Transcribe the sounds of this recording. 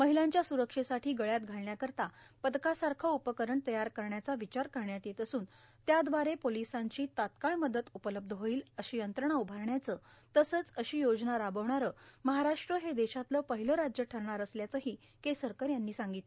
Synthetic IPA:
məɦilaɲt͡ɕjasuɾəkʂesaʈʰiːɡəɭjat̪ɡʱaɭɳjakəɾt̪apəd̪kasaɾkʰəupəkəɾəɳt̪əjaɾkəɾɳjat͡saʋit͡ɕaɾkəɾɳjat̪jet̪əsuːnt̪jad̪ʋaɾepolisãɲt͡ɕiːt̪at̪kaɭməd̪ət̪upələb̚d̪ʱəɦoiːləɕijənt̪ɾəɳ̃aubʱaɾɳjat͡sət̪əsəːt͡səɕiːjod͡znaɾabəʋɳaɾəməɦaɾaʂʈɾəɦed̪eɕat̪ləːpəɦiləɾad͡ʑjəʈʰəɾɳaɾəsljat͡səɦiː | kesəɾkəɾjanːiːsãŋɡit̪

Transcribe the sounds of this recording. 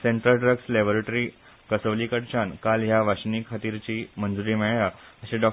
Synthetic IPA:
seɳʈɾəlɖɾəɡslebəɾeʈɾi | kəsəʋlikəɽt͡ɕankaljaʋaɕniːkʰːat̪iːɾt͡ɕiːmənd͡zuɾiːmeɭjaəɕeɖɔ

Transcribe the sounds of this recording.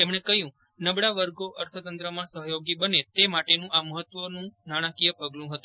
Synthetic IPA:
t̪emɳ̃ekəɦjũ | nəbɽaʋəɾɡoʔəɾt̪ʰət̪ənt̪ɾəmãsəɦəjoɡibənet̪emaʈenũʔaməɦət̪ʋənũnaɽ̃ãkijəpəɡlũɦət̪ũ

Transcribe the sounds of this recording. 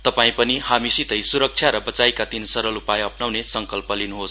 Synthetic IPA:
t̪ʌpaĩpʌnihamisit̪ʌjsuɾʌk̚t͡sʰjaɾʌbʌt͡sajkat̪insʌɾʌlupajʌpnawnesʌŋkʌlpʌlinuɦos

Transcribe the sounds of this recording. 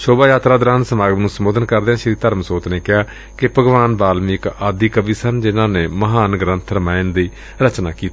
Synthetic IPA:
ʃoːbaːjaːt̪ɾaːd̪əɾaːnsəmaːɡəmnũːsəmoːd̪ənkəɾd̪eãːʃɾiːt̪əɾmsoːt̪neːkɪjaː | kɪpəɡʋaːnbaːlmɪɪkaːd̪iːkəbiːsənd͡ʒɪnãːneːməɦaːnɡɾə̃nt̪ʰɾəmaːɪnd̪iː | ɾət͡ʃnaːkiːt̪ː

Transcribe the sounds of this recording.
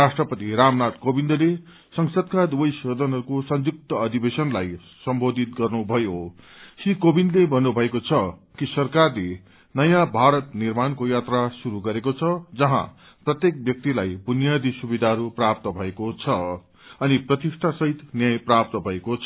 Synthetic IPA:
asʈrʌpʌt̪iɾamnat̪kobind̪ʌle | sʌŋsʌd̪kad̪ubʌjsʌd̪ʱʌnɦʌɾukosʌnd͡zuk̚t̪ʌːd̪ʱibesʌnlaj | sʌmbod̪ʱit̪̚ɡʌrnubʱʌjo | sikobind̪lebʱʌnːubʱʌekot͡sʰʌkisʌrkarle | nʌjãbʱaɾʌt̪nirmankojat̪rasuɾuɡʌɾekot͡sʰʌd͡zʌɦã̰ | prʌt̪jek̚bjʌk̚t̪ilajbunjad̪isubid̪ʱaɦʌɾuprap̚t̪ʌbʱʌekot͡sʰʌ | ʌniprʌt̪isʈʰasʌɦit̪njajprap̚t̪ʌbʱʌekot͡sʰʌ

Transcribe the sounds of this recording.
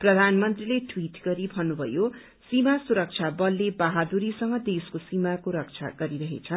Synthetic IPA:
prʌd̪ʱanmʌnt̪rileʈʰwiʈɡʌɾibʱʌnːubʱʌ̰jo | simasuɾʌk̚t͡sʰabʌlːebaɦad̪uɾisʌŋɡʌd̪eskosimakoɾʌk̚t͡sʰa̰ɡʌɾiɾʌɦḛt͡sʰʌn

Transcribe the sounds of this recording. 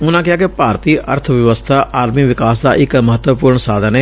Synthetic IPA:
ʊnãːkɪaːkepaːɾt̪iːʔə̰ɾt̪ʰʋjəʋəst̪ʰaːʔaːɾmiːʋɪkaːsd̪a̰ːʔɪkməɦət̪wəpuːɾɳsaːd̪ʱəneː

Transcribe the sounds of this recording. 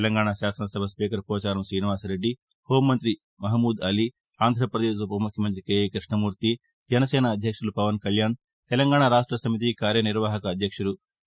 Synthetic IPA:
lɐŋɡaːɳaʃaːsɐnɐsɐbʱɐspiːkɐɾpɾɔːt͡ʃaːɾɐmsɾiːniʋaːsɾe̞ɖːi | hoːmːɐnt̪ɾi | mɐɦɐmːuːd̪ɐli | aːnd̪ʱɾɐpɾɐd̪eːʃupɐmukʰjɐmɐnt̪ɾikeːjkɾiʂɳɐmuːɾt̪i | d͡ʒɐnɐsɛːnɐːd̪ʱjɐkʂulupɐʋɐnkɐljaːn | t̪ɛlɐŋɡaːɳaːɾaːʂʈɾɐsɐmit̪̬ikaːɾjɐniɾʋaːɦɐkɐːd̪ʱjɐkʂulu

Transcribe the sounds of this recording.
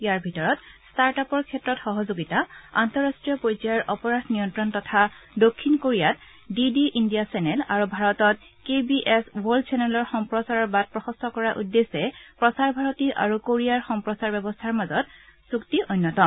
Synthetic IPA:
jaɹbʱitɔɹɔtstaɹtapɔɹkʰɛtɹɔtxɔɦɔzoɡitaa̰ntɔɹastɹijɔpojzaɹʔɔpɔɹasnijɔntɹɔntɔtʰadokʰːinkoɹijat | didiʔindijasɛnɛlaɹubʱaɹɔtɔt | kebiʔeswoldsɛnɛlɔɹxɔmpɹɔsaɹɔɹbat̚pɹɔxɔstʰɔkɔɹaʔudːesɛpɹɔsaɹbʱaɹɔtiʔa̰ɹukoɹiaɹxɔmpɹɔsaɹbɛbɔstʰaɹmazɔtsuktiʔojnːɔtɔ

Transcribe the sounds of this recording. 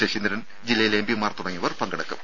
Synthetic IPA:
eɕind̪ɾɐn | d͡ʑilːɐjilembimaːrt̪uɽɐŋːiʋɐrpɐŋɡɐɽɐkːṵm

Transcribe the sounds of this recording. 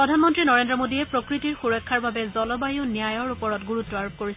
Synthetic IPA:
pɹɔdʱanmɔntɹinɔɹendɹɔmodiɛpɹokɹitiɹxuɹɔkʰːaɹbabɛzɔlɔbajonijajɔɹupɔɹɔtɡuɹutːɔaɹop̚koɹis

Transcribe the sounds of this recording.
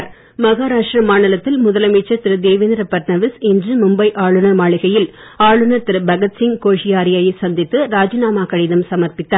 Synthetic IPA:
ɾ | mɐɣaːɾaːʂʈrɐmaːɳɪlɐt̪ːɪlmʊðɐlɐmiːt͡ʃːɐɾt̪ɪɾɯd̪eːʋɪnd̪ɾɐpɐʈnɐʋɪsɛndrɯmʊmbɐɪʔaːɭɯnɐmaːɭɪɣɐjɪl | aːɭɯnɐɾt̪ɪɾɯbɐɣɐt̪sɪŋkoːʂɪjaːɾɪjaːjɐɪsɐnd̪ɪt̪ːɯɾaːd͡ʒɐnaːmaːkɐɽɪðɐmsɐmɐɾpɪt̪ːaːɾ

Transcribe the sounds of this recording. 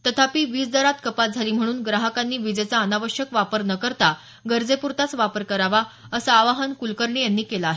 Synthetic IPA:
t̪ət̪ʰapiːʋiːt͡sd̪əɾat̪kəpat̪̚d͡zʱaliːm̤əɽ̃uːnɡɾaɦəkanːiːʋid͡zəjt͡saənaʋəɕjəkʋapəɾnəkəɾt̪a | ɡəɾd͡zepuɾt̪at͡sʋapəɾkəɾaʋaəsaːʋaɦənkulkəɾɳejanːiːkelaːɦe

